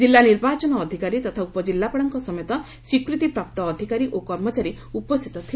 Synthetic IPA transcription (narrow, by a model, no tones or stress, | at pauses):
d͡ʒilːaniɾbat͡ʃɔnɔːd̪ʱikaɾit̪ɔt̪ʰaupɔd͡ʒilːapaɽɔŋkɔsɔmɔjɔt̪ɔ | swikɾut̪ipɾap̚t̪ɔːd̪ʱikaɾiʔokɔɾmɔt͡ʃaɾi | upɔst̪ʰit̪ɔt̪ʰi